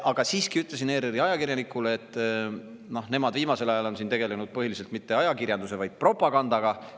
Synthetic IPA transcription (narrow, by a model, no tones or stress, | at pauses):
ʔɑɡ̥ɑsiːskiyt̪ˑles̬ine̞ːɾeɾiɑjɑkirjɑnikˑuleːt̪ːˑ | no̞ne̞mɑd̪viːmɑse̞lɑjɑlo̞nsint̪e̞ɡe̞le̞nud̪̥̚pɤɦilis̬elt̪mit̪ːe̞ɑjɑkirjɑnd̪use̞vɑjd̪̥̚pro̞pːˑɑɡɑnd̪ɑɡ̥ɑ